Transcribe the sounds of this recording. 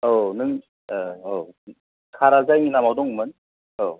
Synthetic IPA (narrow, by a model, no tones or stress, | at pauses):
onɯŋ | o | kʰaɾazajŋinamawdɔŋmɯn | o